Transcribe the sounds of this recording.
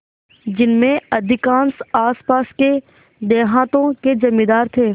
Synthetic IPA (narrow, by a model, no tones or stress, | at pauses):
d͡ʒɪnmẽɐd̪ʱɪkãːnsaːspaːske | d̪eːɦãːt̪õkezɐmːid̪aːɾt̪ʰeː